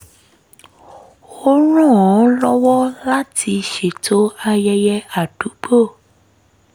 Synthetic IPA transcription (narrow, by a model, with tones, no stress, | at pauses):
o˦ɾ̃ɔ̃˦˨ɔ̃˨˦lɔ˦wɔ˦la˦tʰi˧ʃe˨tʰo˨˦a˧jɛ˧jɛ˧a˨d̥u˨˦k͡po˦˨